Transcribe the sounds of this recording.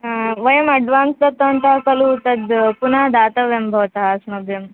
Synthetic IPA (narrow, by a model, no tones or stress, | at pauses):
ʋəjəmɐɖʋaːnslɐt̪ːənt̪akəluːt̪əd̪punad̪at̪əʋjembʱəʋt̪aːsnubjəm